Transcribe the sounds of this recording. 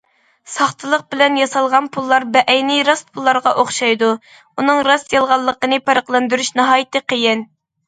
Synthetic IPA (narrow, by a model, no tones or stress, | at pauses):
sɑχt̪ʰɨlˠəq̚bɪlɛnjɑsɑlˠʁɑnpʰulˠːɑɾbɛʔɛjnɪɾɑspʰulˠːɑɾʁɑʔoχʃɑjd̪u | unɨŋɾɑsjɑlˠʁɑlˠːəqənɨpʰɑɾəqlˠɑnd̪yɾyʃnɑɦɑːjɪt̪ɨqʰejɪn